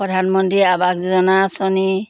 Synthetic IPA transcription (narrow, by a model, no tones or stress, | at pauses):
pɔdʱanmɔntɹiabakzuzɔnasɔni